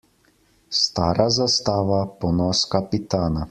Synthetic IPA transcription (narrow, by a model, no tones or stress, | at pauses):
st̪aːɾazast̪aːʋapɔnɔskapit̪aːna